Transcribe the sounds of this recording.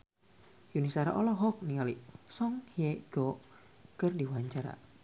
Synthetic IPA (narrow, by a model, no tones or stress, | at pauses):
junisaɾa̰ʔɔlɔɦɔk̚niŋalisɔŋhiɛɡ̥ɔ | kərdiwaɲt͡ʃaɾa̰